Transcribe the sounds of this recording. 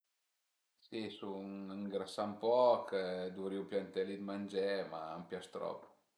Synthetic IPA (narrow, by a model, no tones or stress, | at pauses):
sisuniŋɡɾasampɔkəd̪uɾiupjant̪ɛlid̪mand͡ʒɛma̰ampjast̪ɾɔ̰pː